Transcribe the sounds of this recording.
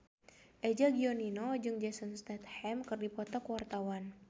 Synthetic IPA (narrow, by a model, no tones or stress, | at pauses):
ʔɛd͡ʒaɡiɔninod͡ʒɨŋd͡ʒɛsənst̪ɛt̪hɛmkɨrdipɔt̪ɔkəwart̪awan